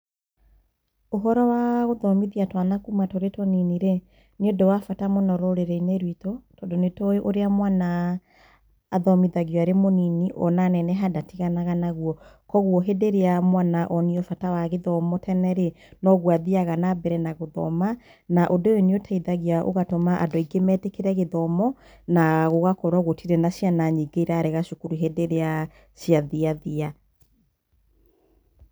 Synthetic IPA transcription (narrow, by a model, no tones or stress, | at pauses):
oɦɔɾɔwaɣoðɔmiðiatwanakumatoɾetɔniniɾe | neodɔwafatamonɔɾɔɾeɾɛineɾwitotɔdonetɔjʔoɾeamwana | ðɔmiðaɣiɔaɾemoniniʔɔnanɛnɛɦadatiɣanaɣanaɣuɔ | kɔɣuɔɦedeɾeamwanaʔɔniɔfatawaɣeðɔmɔtʰɛnɛɾe | nɔɣwaðiaɣanabɛɾɛnaɣoðɔ̰ma | naʔodooneotʰaiðaɣiaʔo̰ɣatɔmaʔa̰doiɡemɛtekeɾɛɣeðɔmɔ | naɣoɣakɔɾɔɣotʰiɾɛnaɕianaɲiɡeiɾaɾeɣaʃukuɾuɦedeɾea | ʃjaðiaðia